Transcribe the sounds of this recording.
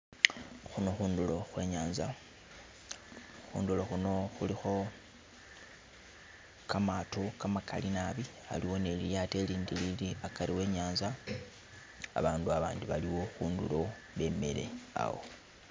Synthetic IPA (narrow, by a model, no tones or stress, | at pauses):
xuno̞xuːndulo̞xwe̞̰ːɲaːnza | xṵːndulo̞xuno̞xulixo̞ | kamatokamakʰa̰linaβi | a̰liwo̞ne̞lijate̞liːndililiakaɾiwe̞ːɲaːnza | a̰βaːnduaβa̰ːndiβaliwo̞xuːndṵlo̞ | βe̞me̞̰le̞̰a̰wo̞̰